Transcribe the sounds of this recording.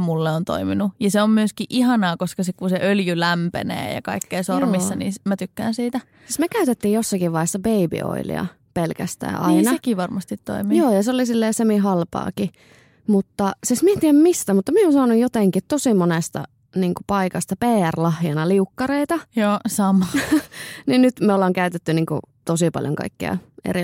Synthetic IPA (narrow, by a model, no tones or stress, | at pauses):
mulːeont̪o̰iminujɑseommyøskiʔʔihɑnɑːkoskɑsikkunseʔøljylæmpḛnḛːjɑ̰kɑ̰ikːeːsormisːɑnḭːmæt̪ykːæ̰ːnsiːt̪æ | sismekæyt̪et̪ːiːjjosːɑkiʋʋɑihesːɑbeibḭo̰ḭlḭɑ̰ | pelkæst̪æ̰ːʔɑ̰inɑekiʋɑrmɑst̪it̪to̰imijoːjɑseolisilːeːsemiɦɑlpɑ̰ːki | mut̪ːɑsismient̪iæmmist̪æmut̪ːɑmieonsɑnujjot̪eŋkit̪t̪osimonest̪ɑ̰ | niːŋkupɑikɑst̪ɑpeːærlɑhjɑnɑliukːɑreit̪ɑjoːsɑmɑ | ninnyt̪meolːɑːŋkæyt̪et̪ːyniːŋkṵt̪osipɑ̰ljo̰ŋkɑ̰ikːḭɑ̰ḛri